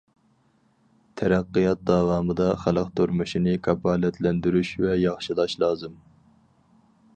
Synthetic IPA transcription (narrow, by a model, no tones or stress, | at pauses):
t̪ʰɛɾæqːijɑt̪̚d̪ɑːwɑːmɨd̪ɑχælˠəqt̪ʰuɾmuʃinɪkʰɑpʰɑlɛt̪ʰlɛnd̪yɾyʃvɛjɑχʃilˠɑʃlˠɑːzɨm